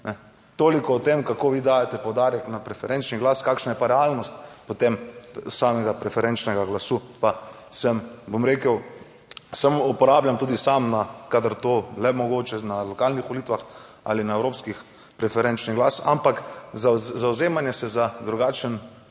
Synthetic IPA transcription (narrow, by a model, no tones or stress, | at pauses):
nɛ | t̪oːlikɔːt̪emkakoːʋiːd̪aːjat̪ɛpowd̪aːɾjɛknapɾɛfɛɾʔɛnt͡ʃniɡlaːskaːkʃnajɛpaɾɛaːlnɔst̪pɔt̪emsaːmɛɡapɾɛfɛɾɛnt͡ʃnɛɡaɡlasupa | səmbomɾeːkəw | səmupɔɾaːbljamt̪uːd̪isamnakad̪əɾt̪oːlɛmɔɡoːt͡ʃɛnalɔkaːlnixʋɔliːt̪ʋax | a̰linaɛwɾoːpskix | pɾɛfɛɾɛnt͡ʃniɣɡlasa̰mpakzzawzeːmanjɛsɛzad̪ɾuɡaːt͡ʃən